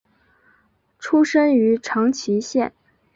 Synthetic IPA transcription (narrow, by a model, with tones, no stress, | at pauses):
ʈ͡ʂʰu˥ʂə˥ny˧˥ʈ͡ʂʰɑ˧˥ŋt͡ɕʰi˧˥ɕjɛ˥˩n